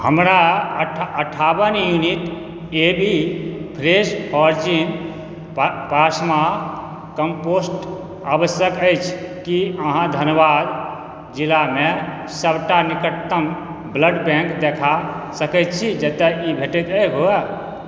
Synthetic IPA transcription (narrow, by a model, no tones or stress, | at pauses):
hə̰mɾa | əʈʰabənjuniʈ | ebʱipʰɾespʰɔɾd͡ʒin | pasma | kəmposʈ | abəsjəkəjt͡ʃʰkiəɦãd̪ʱənəʋad̪ | d͡ʒilame | səbʱʈanikət̪ːəm | bləɖbɛ̃ŋkd̪ekʰasəkət̪̚t͡ʃʰid͡ʒət̪ɛibʱeʈɛt̪əjɦoa